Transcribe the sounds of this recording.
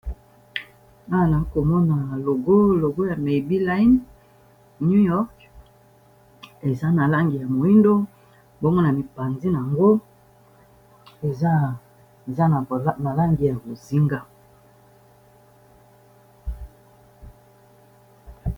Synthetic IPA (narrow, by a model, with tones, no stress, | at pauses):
na˦˨na˨˦ko˨mɔ˦na˨lo˨ɡo˦lo˨ɡo˦ja˨me˨bi˦la˦i˦n | nu˦jɔ˦k | e˨za˦na˨la˦ŋɡi˨ja˨mo˨i˦ndo˦ | bo˦mɔ˦na˨mi˨pa˨nzi˦n˨a˨ŋɡo˦ | e˨za˦˨ | za˦na˨˦na˨la˦ŋɡi˨ja˨bo˨zi˦ŋɡa˦